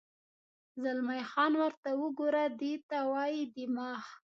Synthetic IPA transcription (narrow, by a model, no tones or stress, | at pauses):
zalmajxɑnwəɾt̪awəɡoɾad̪et̪awɑjid̪ɪmɑx